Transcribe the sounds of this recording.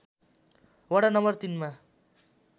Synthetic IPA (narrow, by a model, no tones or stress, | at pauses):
wʌɽanʌmbʌrt̪inma